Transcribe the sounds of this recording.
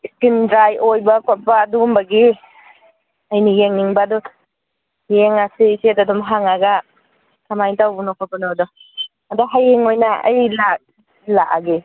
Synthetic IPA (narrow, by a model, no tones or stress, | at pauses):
skindɾajʔojbɐkʰapaːdumbaɡi | ɐjnijeŋniŋbaːdu | jeŋasesetadɔmɦaŋaɡa | tʰamajtawbunɔkʰɔpanodɔ | adaɦajeŋojnaɐ̰jlak̚ | laa̰ɡe